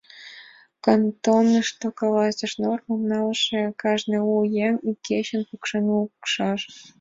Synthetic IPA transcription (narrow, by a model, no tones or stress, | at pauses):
kɑnt̪onːɤ̆ʂt̪okɑlˠɑzɤ̆ʂnormomnɑlˠʂĕkɑʐnĭujemikʲʰeɕɘ̆npukʂɤnukʂɑʂ